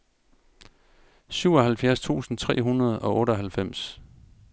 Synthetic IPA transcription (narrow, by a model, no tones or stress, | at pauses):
syʊɒ̽ɦælfjæɐst͡sʰṵːsn̩t͡sʰʁɛ̰ːɦunɐð̞̩ˠɒ̽ʔɔ̽ːɾəɒɦælfem̰s